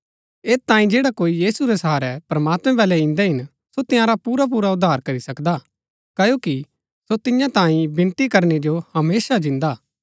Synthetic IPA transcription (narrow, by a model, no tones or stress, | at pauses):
eːst̪ãːĩd͡ʒeːɽakoːijiːsuɾɛsɐɦaːɾɛpɾɐmaːt̪mɛ̃bɛːlɛɪ̃nd̪ɛɦɪn | sot̪ɪjãɾapuːɾap̬uːɾaʊd̪ʱːaːɾkɐɾisɐkd̪a | kɐjoːki | sot̪ɪjãt̪ãːĩbɪ̃nt̪ikɐɾned͡ʒohɐmeːsad͡ʒɪ̃nd̪aː